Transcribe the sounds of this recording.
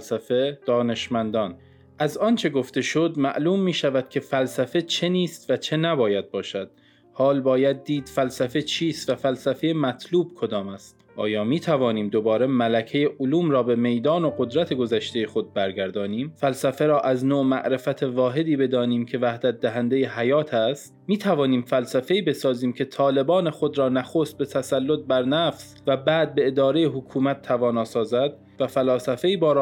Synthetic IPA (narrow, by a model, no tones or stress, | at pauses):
sæfe̞d̪̥ɒːne̞ʃmænd̪ɒːn | ʔæzɒːnt͡ʃʰe̞ɡo̞ft̪e̞ʃod̪mæ̰ʔluːmːiːʃævæd̪̥cʰʲe̞fælsæfe̞t͡ʃʰe̞niːst̪væt͡ʃʰe̞næbɒːjæd̪̚bɒːʃæd̪̥ | hɒːlbɒːjæd̪ːiːd̪̥fælsæfe̞t͡ʃʰiːst̪væfælsæfejemæt̪ʰluːb̥̚kʰo̞d̪ɒːmæst̪ʔɒːjɒːmiːt̪ʰævɒːniːmd̪o̞bɒːɾe̞mælæcʰe̞je̞ʔoluːmɾɒːbe̞me̞jd̪ɒːno̞ɡod̪ɾæt̪ʰe̞ɡo̞zæʃt̪e̞je̞xo̞d̪̚bæɾɡæɾd̪ɒːniːmfælsæfe̞ɾɒːʔæznoːmæ̰ʔɾe̞fæt̪ʰe̞vɒːɦe̞d̪iːbe̞d̪ɒːniːmkʰe̞væhd̪æt̪̚d̪æɦænd̪e̞jeɦæjɒːt̪ʰæst̪miːt̪ʰævɒːniːmfælsæfe̞iːbe̞sɒːziːmcʰe̞t̪ʰɒːle̞bɒːne̞xo̞d̪ɾɒːnæxoːst̪̚be̞t̪ʰæsælːo̞t̪̚bæɾnæfs | væbæːd̪̚be̞ed̪ɒːɾejeɦokʰuːmæt̪ʰːævɒːnɒːsɒːzæd̪̥̚ | væfælɒːsæfe̞iːbɒːɾ